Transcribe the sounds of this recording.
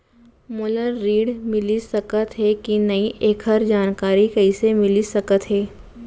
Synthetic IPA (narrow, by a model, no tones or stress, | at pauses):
moːləɾːiːɽmɪlisɐkət̪ɦɛkinɐiʔeːkʰəɾd͡ʒaːnkaːɾikɐisemɪlisɐkət̪ɦɛː